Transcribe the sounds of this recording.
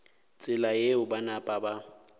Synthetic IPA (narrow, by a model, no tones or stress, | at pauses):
t͡sʼɪlajeʊbanapʼaba